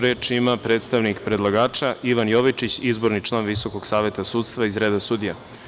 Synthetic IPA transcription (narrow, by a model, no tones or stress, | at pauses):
ɾeːt͡ʃimapɾe̞ːt̪st̪aʋnikpɾe̞d̪lˠaɡaːt͡ʃaʔiʋanjo̞ʋit͡ʃit͡ɕizbo̞ɾnit͡ʃlˠaːnʋiso̞ko̞ɡsaːʋje̞t̪asuːd̪st̪ʋaizɾe̞ːd̪asud̪ije